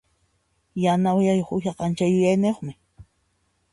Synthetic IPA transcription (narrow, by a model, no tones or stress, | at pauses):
janawjajoχʊjɑqɑnt͡ʃajʊjajneχmɪ